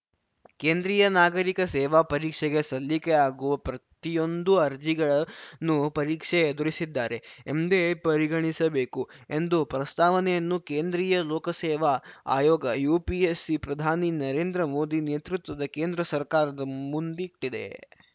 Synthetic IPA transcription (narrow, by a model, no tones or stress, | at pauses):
keːnd̪ɾiːjɐnaːɡɐɾikɐsɛːʋapɐɾiːkʂɛɡe̞sɐlːikeaːɡuʋɐpɾɐt̪ijo̞nd̪uɐɾd͡ʒiɡɐɭɐnːupɐɾiːkʂeːd̪uɭisid̪ːaːɾe̞emd̪epɐɾiɡɐɳisɐbe̞ːku | e̞nd̪upɾɐst̪ʰaːʋɐnɛjɐnːukeːnd̪ɾiːjɐloːkɐsɛːʋɐa̰ːjɔːɡɐjuːpiesːipɾɐd̪ʱaːninɐɾe̞ːnd̪ɾɐmo̞ːd̪ineːt̪ɾut̪ʋɐd̪ɐkeːnd̪ɾɐsɐɾkaːɾɐd̪ɐmund̪iʈːid̪e̞̰